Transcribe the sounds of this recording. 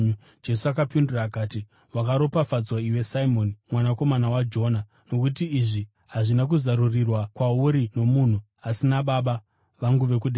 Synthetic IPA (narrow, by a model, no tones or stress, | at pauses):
d͡ʒe̞suakapinduraːkaːti | wakaɾo̞pafad͡zwaiwe̞saimo̞nimwanako̞manawad͡ʒo̞na | no̞kut̬iːʐi | ɦaʐinak̬uzarurirwakwauɾino̞mun̤u | asinaɓaɓa | ʋaŋɡuʋe̞k̬uɗe